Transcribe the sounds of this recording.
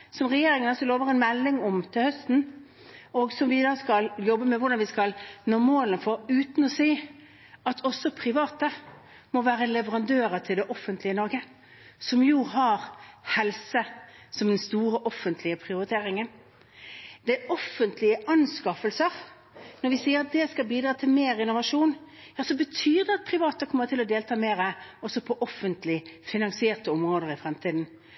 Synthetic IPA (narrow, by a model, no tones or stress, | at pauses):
sɔmʁɛjeːɾɪŋənɔlsɔloːʋəʁɛnmɛlːɪŋɔmt̪ʰɪlhœst̪n̩ | ɔɡsɔmʋɪd̪ɑːskɑljɔbːəmɛʋʊʁɖ̪ɑnʋɪskɑlnoːmoːlənfɔɾʉːt̪n̩ɔsiː | ɑt̪ʰɔsɔpʰʁɪʋɑːt̪ə | mɔʋæːʁəlɛʋəʁɑnd̪øːɾət̪ʰɪld̪ɛʔɔfːənt̪ʰlɪənɔɾɡə | sɔmjuːɦɑʁhɛlsəsɔmd̪ɛnst̪uːʁəʔɔfːənt̪ʰlɪəpʰʁɪʊɾɪt̪ʰeːɾɪŋən | d̪̥ɛɔfːənt̪ʰlɪəʔɑnskɑfəlsəʁ | nɔɾʋɪsiːəʁɑt̪̚d̪ɛskɑbiːd̪ʁɑːt̪ʰɪlmeːʁɪnʊʋɑʂuːn | jɑːsɔbət̪ʰyːʁd̪ɛɑt̪̚pʰʁɪʋɑːt̪əkʰɔmːəʁt̪ʰɪlɔd̪eːlt̪ʰɑːmeːɾəɔsɔpʰɔʔɔfːənt̪lɪfɪnɑŋsɪeːʁt̪əɔmʁoːd̪əʁɪfʁɛmt̪ʰiːd̪n̩